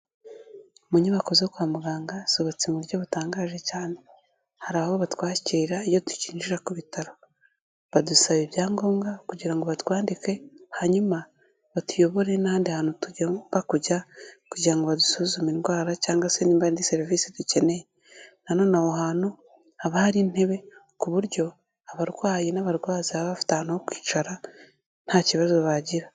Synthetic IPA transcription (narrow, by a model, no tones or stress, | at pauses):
muɲaβakozekwaːmuɡaːŋɡasoβat͡simuɾɟoβutaːŋɡaːʒe̞caːne̞ | haɾaβoβatwaːciɾaijotu̥ciːɲd͡ʒiɾakuβitaɾo̞ | βadusaβibjaːŋɡo̞ːŋɡakuɟiɾaŋɡoβatwaːndike̞haɲuma | βatujo̞βo̞ɾe̞nahaːndihanutuɟbakuɟakuɟiɾaŋɡoβadusuzuminɡwaːɾacaːŋɡaseniːmbaindise̞ɾiviːsiduce̞ne̞je | nano̞ːnahoɦaːno | aβahaɾiːn̥he̞βe̞ | kuβuɾɟo̞ | aβaɾɡwaːjenaβaɾɡwaːziaβaβafi̥tahanahokwi̥ːt͡ʃaɾa | n̥haːciβazoβaɟiɾa